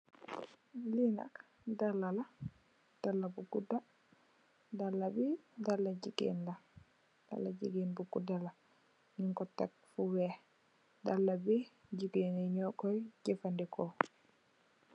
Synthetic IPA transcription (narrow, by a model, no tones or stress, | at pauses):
lina̰k | dalːala | d̥alːabuɡuda | dalːabidalːad͡ʒiɡɛ̰nla | d̥a̰lːad͡ʒiɡinbuɡudala | niŋkɔtːa̰k̚fuwɛ | dalːabid͡ʒiɡɛnɛɲɔkɔjd͡ʒɛfandɛkʰɔ